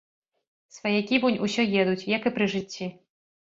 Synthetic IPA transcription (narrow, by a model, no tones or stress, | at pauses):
svɐjɛkʲibunʲusʲɔjɛd̪ut͡sʲjakɨpɾɨʐɨt͡sʲːi